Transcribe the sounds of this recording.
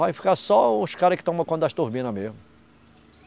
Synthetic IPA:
vajfi̥kasɔʊskaɾɐkɪ̥t̪ɐ̃umɐkõd̪ɐʃt̪uɾbĩnɐmezmʊ

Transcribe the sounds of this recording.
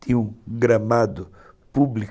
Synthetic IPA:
t̪ʰiũɡɾɐmad̪ʊ | publi

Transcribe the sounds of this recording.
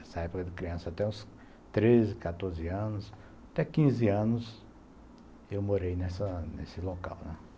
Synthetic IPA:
ɛsɐɛpʊkɐd̪ɪkɾiɐ̃sɐat̪ɛũs | t̪ɾezɪkat̪oɾzɪɐ̃nʊs | at̪ɛkĩzɪɐ̃nʊs | ewmoɾejnɛsɐnesɪloka̰wnɛ̃

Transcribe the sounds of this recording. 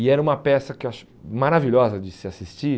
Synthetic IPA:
ɪɛɾɐũmɐpɛsɐkɪewaʃ | maɾaviʎɔzɐd͡ʒɪsɪasist͡ʃi

